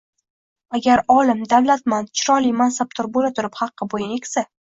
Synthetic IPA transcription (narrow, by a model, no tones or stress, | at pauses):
aɡʲaɾɒlɪmd̪avlat̪mant͡ʃʰɪɾɒlijmansap̚t̪ʰʊɾbolat̪ʰʊɾɪphɑqːɨbojɪnekʲsa